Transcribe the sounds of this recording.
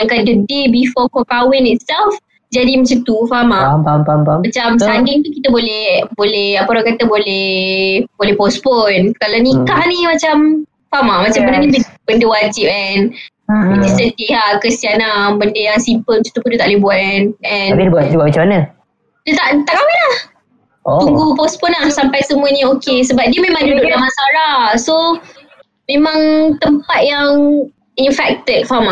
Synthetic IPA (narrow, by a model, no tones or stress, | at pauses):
aŋkadədebifɔkɔkawɪnit̪̚sɛlf | d͡ʒadimat͡ʃut̪ufamaampampamat͡ʃamsandɪŋt̪ukit̪əbolɛbolɛhapəoɾakat̪əbolɛhbolɛhpɔsponkalanikahnĩmat͡ʃam | famamat͡ʃambəndənibib̥əndəwad͡ʒip̚ɛn | itistənt̪iɦaʔkəsianabəndəjasimpəlt͡ʃu̥t̪upundiut̪aʔleibuat̪̚ɛnʔɛ̃nibat̚d͡ʒuamat͡ʃamanə | diət̪aʔt̪aʔkawilah̪ | uŋɡupɔspɔnahsampajsəmũəɲaokesəbap̚diəmemãŋduʔdʊʔlahmasalahso | mẽmãŋt̪əmpat̪̚jaŋ | infɛk̚t̪ət̚fama